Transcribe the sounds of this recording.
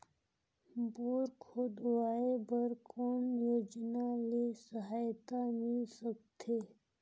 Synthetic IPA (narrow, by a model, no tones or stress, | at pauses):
boːɾkʰod̪waːebɐɾkoːmjoːd͡ʒnalesəɦaːjt̪amɪlsəkt̪ʰeː